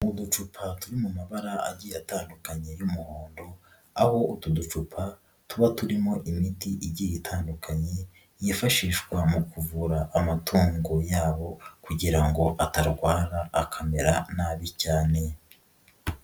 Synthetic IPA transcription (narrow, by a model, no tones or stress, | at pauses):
udut͡ʃupʰatuɾimumaβaɾaa̰ɟijataːndukaɲe̞jumuho̞ːndo̞ | a̰ho̞utudut͡ʃupʰa | tuβatuɾimo̞ʔimitiʔiɟijitʰaːndukʰaɲe̞ | jifaʃiːʃkwamukuvuɾaʔːmatʰuːŋɡo̞jaːβo̞kuɟiɾaŋɡo̞ʔataɾɡwaːɾaːkʰame̞ɾanaːβicaːne̞